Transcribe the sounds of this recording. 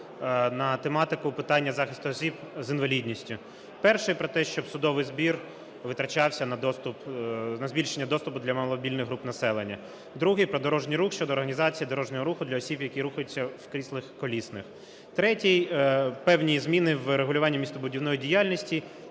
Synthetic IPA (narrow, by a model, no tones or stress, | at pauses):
nɐt̪emɑt̪ɪkʊpɪt̪ɑnʲːɐzɑxɪst̪ʊɔsʲibzɪnʋɐlʲid̪ʲnʲisʲtʲʊ | pɛrʃɪjpɾɔt̪ɛʃt͡ʃɔbsʊd̪ɔʋɪjzbʲir | ʋɪt̪ɾɐt͡ʃɑwsʲɐnɐd̪ɔst̪ʊpnɐzʲbʲilʲʃenʲːɐd̪ɔst̪ʊpʊd̪lʲɐmɐlˠɔbʲilʲnɪɣɦɾupnɐsɛlˠenʲːɐ | d̪ɾuɦɪjpɾɔd̪ɔɾɔʒnʲijɾuxʃt͡ʃɔd̪ɔːrɦɐnʲizɑt͡sʲijid̪ɔɾɔʒnɔɦɔɾuxʊd̪lʲɐɔsʲibjɐkʲiɾuxɐjʊt͡sʲːɐwkɾʲislˠɪxkɔlʲisnɪx | t̪ɾɛtʲijpɛwnʲijizmʲinɪwɾeɦʊlʲʊʋɑnʲːimʲist̪ɔbʊdʲiwnɔjidʲijɑlʲnʲisʲtʲi